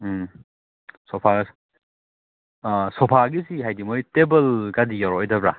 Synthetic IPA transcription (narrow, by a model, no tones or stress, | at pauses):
sɔpʰaɡs | sɔpʰaɡisiɦajdimojtebɐlɡadijaɾɔjdɐbɾa